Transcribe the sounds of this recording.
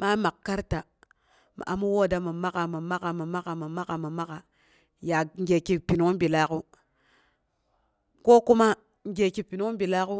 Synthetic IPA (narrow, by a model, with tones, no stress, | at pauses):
ma˦ma˨kkːa˦ɾta˨ | ma̰˨ʔa̰˨mu˦wo˦˨da˦mə˨ma˦ka˨mə˨ma˦ka˨mə˨ma˦ka˨mə˨ma˦ka˨mə˨ma˦ka˨ | ja˨ŋ˦ɡe˨ki˨pi˨nu˦bi˨la˦ku˦ | ko˦ku˦ma˦ | ŋ˦ɡʲe˨ki˨pi˨nu˦u˦bi˨la˦ku˦